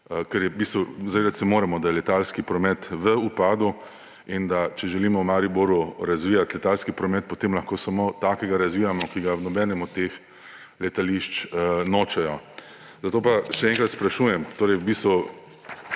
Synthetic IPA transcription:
kɛɾjɛbiːst̪ʋuzaʋeːd̪at̪sɛmoːɾɛmɔd̪ajɛlɛt̪alskipɾɔmɛt̪ʋəupaːd̪u | ind̪at͡ʃɛʒɛliːmɔwmaːɾiboɾuɾazʋijat̪lɛt̪alskipɾɔmɛt̪̚pot̪eːmlɐxkoːsamoːt̪aːkɛɡaɾazʋiːjamɔkiɡanɔbɛːnɛmɔt̪ːex | lɛt̪aliʃt͡ʃnoːt͡ʃɛjɔ | zat̪oːpaʃɛɛːŋkɾat̪spɾaʃuːjɛmt̪oːɾɛjbiːst̪ʋu

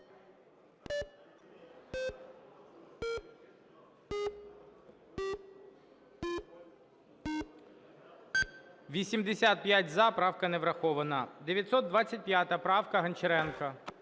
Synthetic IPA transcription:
ʋʲisʲimd̪esʲat̪̚pʲjatʲzɐpɾɑwkɐnɛʋɾɐxɔʋɐnɐd̪eʋjɐt̪sɔt̪̚d̪ʋat͡sʲːɐt̚ʲpjat̪ɐpɾɑwkɐɦɐnt͡ʃeɾɛnkɐ

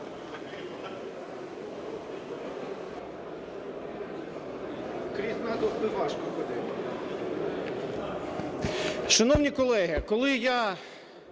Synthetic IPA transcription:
kɾʲiznɑd̪ɔsb̪ɪʋɑʃkɔxɔd̪ɛm | ʃɐnɔwnʲikɔlˠɛɦɪkɔlˠɪja

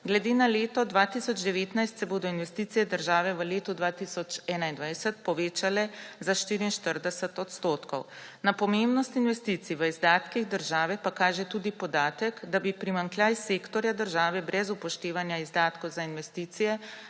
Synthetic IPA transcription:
ɡlɛd̪eːnaleːt̪ɔd̪ʋaːt̪isɔd͡ʒd̪ɛʋeːt̪najst̪sɛboːd̪ɔinʋɛst̪it̪sijɛd̪əɾʒaːʋɛʋəleːt̪ud̪ʋaːt̪isɔt͡ʃɛːnaind̪ʋajsɛt̪̚pɔʋeːt͡ʃalɛzaʃt̪iːɾiinʃt̪əɾd̪ɛsɛt̪ɔt̪st̪oːt̪kɔ̰wnapɔmembnɔst̪inʋɛst̪it̪siʋəizd̪aːt̪kiɣd̪əɾʒaːʋɛpakaːʒɛt̪uːd̪ipɔd̪aːt̪əkd̪abipɾimaŋkljajseːkt̪ɔɾjad̪əɾʒaːʋɛbɾʔɛzupɔʃt̪eːʋanjaizd̪aːt̪kɔwzainʋɛst̪iːt̪sijɛ

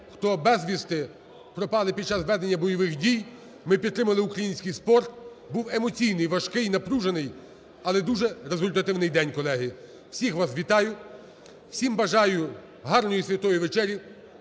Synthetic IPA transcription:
xt̪ɔbɛzʲʋʲist̪ɪ | pɾɔpɑlˠɪpʲid̪̚t͡ʃɑsʋɛd̪enʲːɐbɔjɔʋɪxdʲij | mɪpʲid̪t̪ːɾɪmɐlˠɪʊkɾɐjinʲsʲkɪjspɔrt̪ | buwemɔt͡sʲijnɪjʋɐʃkɪjnɐpɾuʒenɪj | ɐlˠɛd̪uʒɛɾezʊlʲt̪ɐt̪ɪwnɪjd̪ɛnʲkɔlˠɛɦɪ | w̥sʲixʋɑsʋʲit̪ɑjʊ | wsʲimbɐʒɑjʊ | ɦɑrnɔjisʲʋʲɐt̪ɔjʊʋet͡ʃɛɾʲji

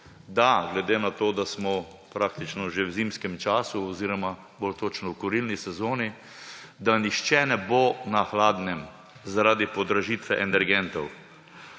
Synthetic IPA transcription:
d̪aɡlɛd̪eːnat̪oːd̪asmɔ | pɾaːk̚t̪it͡ʃnɔʒewzimskɛmt͡ʃaːsuɔziɾɔma | bolt̪ot͡ʃnɔwkɔɾilnisɛzoːni | d̪anixt͡ʃɛnɛboːnaxlaːd̪nɛm | zaɾaːd̪ipɔd̪ɾaʒiːt̪ʋɛʔɛnɛɾɡɛnt̪ɔw

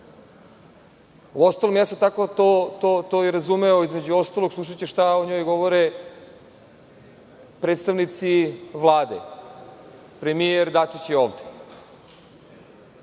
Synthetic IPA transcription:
uost̪alˠomjaːsot̪akot̪ot̪ot̪oːjeɾazumeoizme̞d͡ʑuo̞st̪alˠoɡslˠuʃ̬at͡ɕeʃt̪aoɲo̞ːjɡo̞ʋoɾe | pɾet̪st̪aʋnit̪siʋlˠaːd̪e | pɾemieɾd̪at͡ʂit͡ɕjeo̞ːʋd̪e̥

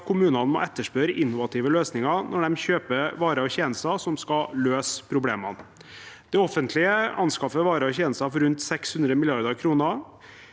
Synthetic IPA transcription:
kʰʊmʉːnɑnmɔ̰ʔɛt̪ːəʂpøɾəʔɪnːʊʋɑt̪ʰiːʋəløːsnɪŋɑɾnʔɔɖɛmçøːpəʋɑːɾəɔçeːnəst̪ɑsɔmskɑløːspʰɾʊbleːmɑnd̪̥ɛɔfənt̪ʰlɪəɑnskɑfəʋɑːɾəɔçeːnəst̪ɑfɔɾʉnt̪sɛkshʉnd̪ɾəmɪlɪɑɾd̪əɾkʰɾuːnə

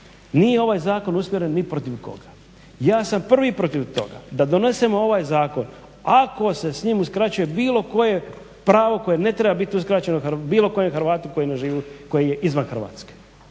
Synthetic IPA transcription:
niːjeo̞ʋaːjzaːko̞nusmʲjeɾenːipɾo̞t̪iʋko̞̰ɡa | jaːsampr̩ʋipɾo̞t̪iʋt̪o̞̰ɡa̰d̪ad̪o̞ne̞semo̞o̞ʋaːjzaːko̞n | ako̞se̞sɲiːmuskɾat͡ɕuje̞biːlo̞ko̞je̞ | pɾaːʋo̞ko̞jene̞t̪ɾe̞babit̪iuskɾat͡ɕenouxbiːlˠo̞ko̞jemxɾʋaːt̪uko̞jneʒiːʋiko̞jeje̞ʔizʋanxr̩ʋa̰ːt̪ske̥

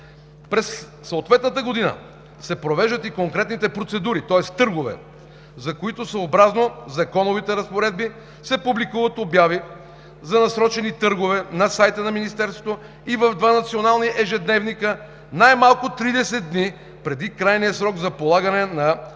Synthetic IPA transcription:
pɾɛsː | oot̪vɛt̪nət̪əɡod̪inə̰ | sɛpɾovɛʒd̪ət̪ikoŋkɾɛt̪nit̪ɛpɾot̪sɛd̪uɾit̪ɔɛst̪ɤɾɡovɛ̰ | zɐkoit̪osɐobɾaznozɐkɔnovit̪ɛɾɐspoɾɛd̪̚bi | sɛpublikuvət̪objavi | zɐnɐsɾɔt͡ʃɛnit̪ɤɾɡovɛnɐsajt̪ənɐminist̪ɛɾsvo̥t̪o | ivɐvd̪vanɐt̪sionalˠniʔɛʒɛd̪nɛvnikə | najmalˠkʊt̪ɾid̪ɛsɛt̪̚d̪ni | pɾɛd̪ikɾajnijəsɾɔɡzɐpolˠaɡɐnɛnɐ

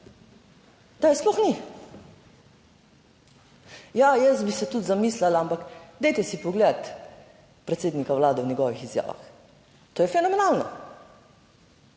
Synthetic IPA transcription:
d̪̥ajsplɔxni | jajɛst̪bisɛt̪ut̪zamiːslalaampakd̪ɛjt̪ɛsipɔɡled̪at̪ | pɾɛt̪seːd̪nikaʋlaːd̪ɛwnʲɛɡɔʋixizja̰ːʋa̰x | t̪oːjɛfɛnɔmɛnaːlnɔ

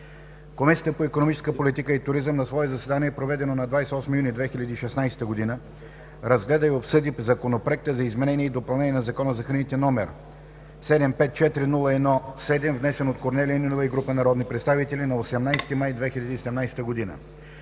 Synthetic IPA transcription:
komisijət̪əpoikonomit͡ʃɛ̥skəpolit̪ikəit̪ʊɾizəmnɐsvɔɛzɐsɛd̪aniɛpɾovɛd̪ɛnonɐd̪vajsɛɔsmijunid̪vɛxilʲɐd̪iːʃɛsnajsɛ̥t̪əɡod̪inə | ɾɐzɡlɛd̪əiopsɤd̪izɐkonopɾoɛk̚t̪əzɐizmɛnɛniɛid̪opɐlˠnɛniɛnɐzɐkɔnəzɐxəɾnit̪ɛnɔmɛɾ | sɛd̪ɛmpɛt̪̚t͡ʃɛt̪ɾinulˠəɛd̪nɔsɛd̪ɛmvnɛsɛnot̪koɾnɛliəninovɐiɡɾupənɐɾɔd̪nipɾɛt̪st̪avit̪ɛlinɐosɛmnajsɛ̥t̪imajd̪vɛxilʲɐd̪iːsɛd̪ɛmnajsɛ̥t̪əɡod̪inə̰

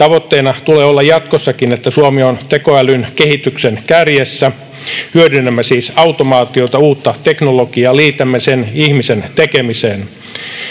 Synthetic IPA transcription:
t̪ɑʋot̪ːeːnɑt̪uleːolːɑjɑt̪kosːɑkinet̪ːæsuomiont̪ekoælynkehit̪yksenkærjesːæ | hyødynːæmːæsiːsɑwt̪omɑːt̪iot̪ɑuːt̪ːɑt̪eknoloɡ̥iɑːliːt̪æmːæsenihmisent̪ekemiseːn

